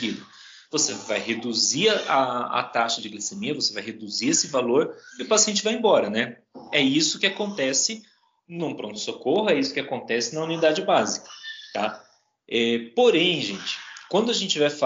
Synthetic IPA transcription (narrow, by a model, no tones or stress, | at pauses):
id̪ʊ | vosevajɦed̪uziɾɐʔaɐ̰t̪aʃɐd͡ʒɪɡlisemiɐvosevajɦed̪uziɾesɪvaloɾɪʊpasiẽnt͡ʃɪvajẽbɔɾɐnɛ | ɛisʊkɪakõnt̪ɛsɪ | nũpɾõnt̪ʊ̥sokohʊɛisʊ̥kɪakõnt̪ɛsɪnɐũnid̪ad͡ʒɪbazikɐ̥t̪a | ɛpoɾẽj̃ʒẽt͡ʃɪ̥kwɐ̃nd̪ʊaʒẽnt͡ʃɪvajfa